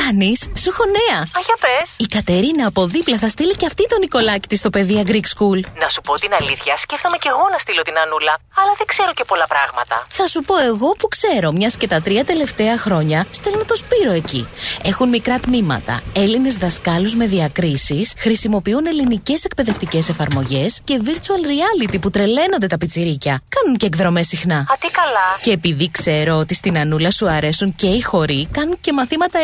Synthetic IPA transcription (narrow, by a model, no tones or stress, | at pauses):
ɐnisːuxo̞ne̞ɐɐʝɐpe̞sikɐt̪e̞ɾinɐːpo̞ðiplɐθɐst̪iliceɐft̪it̪o̞niko̞lɐci̥t̪ist̪o̞pe̞ðiɐɡɾikskulnɐsupo̞t̪inɐliθçɐsce̞ft̪o̞mece̞ɣo̞nɐst̪ilo̞t̪inɐnulɐɐlɐðeɡ̥ze̞ɾo̞ce̞po̞lɐpɾɐɣmɐt̪ɐ̰θɐsupo̞e̞ɣo̞pukse̞ɾo̞mɲɐsce̞t̪ɐt̪ɾiɐt̪e̞le̞ft̪e̞ɐxɾo̞ɲɐst̪e̞lonɐt̪o̞spiɾo̞e̞cḭe̞xunmikɾɐt̪mimɐ̰t̪ɐ̰e̞line̞zðɐskɐluzme̞ðiɐkɾisisxɾisimo̞piune̞linice̞se̞kpe̞ðe̞ft̪ice̞se̞fɐɾmo̞ʝe̞sce̞viɾt͡suɐlɾiɐlit̪iput̪ɾe̞le̞no̞nd̪e̞t̪ɐpit͡siɾicɐkɐnunceeɡðɾo̞me̞sixnɐɐt̪ikɐlɐce̞ːpiðikse̞ɾo̞ot̪ist̪inɐnulɐsuɐɾe̞sunce̞ixo̞ɾikɐnunce̞mɐθimɐt̪ɐ